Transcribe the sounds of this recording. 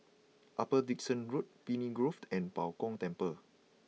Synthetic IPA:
ʔapədik̚sə̃nɹut̚piniɡɹoftʰɛ̃npawkɔ̃ŋtɛ̃mpə

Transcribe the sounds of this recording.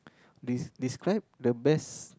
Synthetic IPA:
ddiskɹaɪp̚dəbɛs

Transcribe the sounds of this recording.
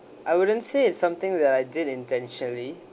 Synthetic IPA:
ʔajwʊdə̃ntseɪtsãmt̪ɪ̃ŋdɛtajdidĩntɛ̃nʃənəli

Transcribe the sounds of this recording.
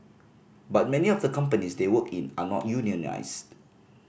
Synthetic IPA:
bat̚mɛniɔfdəkãmpənisdewəkĩnanɔ̰t̚juniəna̰ɪst

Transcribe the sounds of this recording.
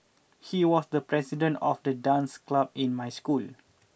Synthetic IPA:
hiwɔsdəpɹɛsidə̃ntɔfdədãnsklab̚ĩnmajskul

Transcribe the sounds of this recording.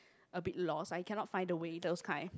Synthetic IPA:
ʔəbit̚lɔsajkʰɛ̃nɔt̚fãɪ̃ndəwedɛskʰãɪ

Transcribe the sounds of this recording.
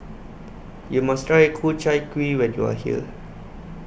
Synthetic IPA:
jumastʰɹajekʰult͡ʃaɪjkwiwɛ̃njṵa̰hiə̰

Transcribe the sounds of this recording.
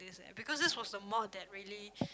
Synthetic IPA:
disɛ̰̃bikɔsdɪswɔsdəmɔdɛt̚ɹiəli

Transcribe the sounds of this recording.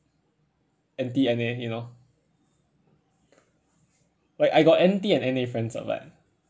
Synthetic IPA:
ɛ̃ntiɛ̃nejuno | lajkajɡɔt̚ɛ̃ntiɛ̃nɛ̃nefɹɛ̃nsa̰va̰t̚

